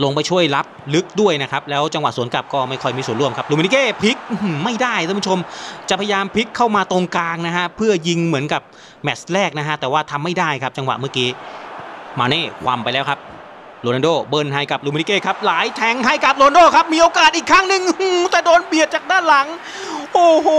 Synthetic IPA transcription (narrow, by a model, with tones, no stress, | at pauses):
lo˧ŋp̬a˧jt͡ɕʰu˥˩əjla˦˥p̚lɯ˦˥k̚du˥˩əjna˦˥kʰa˦˥p̚lɛː˦˥wt͡ɕa˧ŋwa˨˩ʔsuː˨˩˦ənka˨˩p̚kɔː˥˩ma˥˩jkʰɔ˥˩jmiː˧su˨˩ənɾu˥˩əmkʰa˦˥p̚luː˧mi˧ni˦˥keː˥˩pʰi˦˥k̚ma˥˩jdaː˥˩j̪ʰa˥˩˦pʰu˥t͡ɕʰo˧mt͡ɕa˨˩ʔpʰa˧ja˧jaː˧mpʰi˦˥kʰːa˥˩wmaː˧t̪o˧ŋkaː˧ŋna˦˥kʰa˦˥pʰɯ˥˩əji˧ŋmɯ˩˦ənka˨˩p̚ | mɛ˨˩slɛː˥˩k̚na˦˥kʰa˦˥t̪ɛː˨˩waː˥˩t̪ʰa˧mːa˥˩jdaː˥˩jkʰa˦˥p̚t͡ɕa˧ŋwa̰˨˩ʔmɯ˥˩kiː˦˥ | maː˧neː˥˩kʰwa̰˧mpa˧jlɛː˦˥wkʰa˦˥p̚ | loː˧na˧doː˥˩bɤː˧˩nɦa˧˩jka˨˩p̚luː˧mi˧ni˦˥keː˥˩kʰa˦˥p̚laː˨˦jt̪ʰɛ˨˩˦ŋɦa˧˥˩jka˨˩p̚loː˧na˧doː˥˩kʰa˦˥p̚miː˧ʔoː˧kaː˨˩t̪̚ʔiː˨˩kʰːaː˥˩ŋnɯ˧ŋɯː˧˩t̪ɛː˨˩doː˧nbi˨˩ət̪̚t͡ɕaː˨˩k̚daː˥˩nla˨˩˦ŋ | ʔoː˧˩hoː˨˦